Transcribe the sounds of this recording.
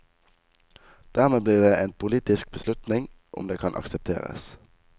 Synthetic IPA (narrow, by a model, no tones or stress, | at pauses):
d̪̥æːʁmeːbliːʁd̪eːʔeːnpʰʊliːt̪ɪsk̚bəslʉt̪nɪŋ | ʔʊ̰md̪eːkʰɑnʔɑ̰ksəp̚t̪ʰḛːʁə̰s